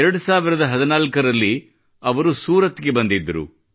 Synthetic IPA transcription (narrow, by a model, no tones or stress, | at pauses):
ɾɐɽusaːʋiɾɐd̪ɐɦɐd̪inaːlkɐɾɐlːi | ɐʋɐɾusuːɾɐt̪ːɡe̞bɐnd̪id̪ːɐɾṵ